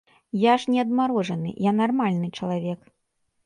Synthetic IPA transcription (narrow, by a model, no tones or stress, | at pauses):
jaʂnʲɛɐd̪maɾɔʐɐnɨ̰janarmalʲnɨt͡ʂɐlˠavʲɛk